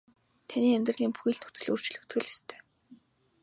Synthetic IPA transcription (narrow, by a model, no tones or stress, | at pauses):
t̪ʰaniːæmʲt̪rə̆ɮiːŋpuxiːɮt̪ut͡sɘ̆ɮur̥t͡ɕ̆ɮɵ̆kt̪ɡɘ̆ɮest̪ʰœ̥ː